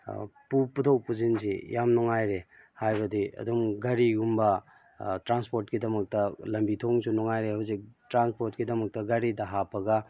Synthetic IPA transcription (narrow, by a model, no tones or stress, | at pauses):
puputʰɐwpuzinsḭjamnɔŋajɾe | hajbɐdiʔɐ̰dumɡaɾiɡumbɐ | tɾanspoɾt̚kidɐmɐk̚tɐlɐmbitʰoŋsunɔŋajɾehawzik̚tɾanspoɾtkidɐmɐk̚tɐɡaɾidɐɦapʰɐɡɐ